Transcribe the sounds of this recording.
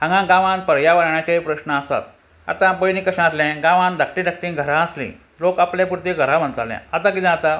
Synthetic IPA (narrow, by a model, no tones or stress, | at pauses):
ɦãŋɡãɡãʋãnpəɾjaʋəɽɳjat͡ɕaɦipɾəɕnəːsa̰t̪̚ | a̰t̪ãbəjnĩːkəɕãəslɛ̃ɡãʋãnd̪ʱək̚ʈĩd̪ək̚ʈĩɡʱəɾãəslḭ̃ | lokaplɛ̃puɾt̪iɡʱəɾãm̤ənt̪alɛ̰̃ət̪ãk̬id̪ẽat̪a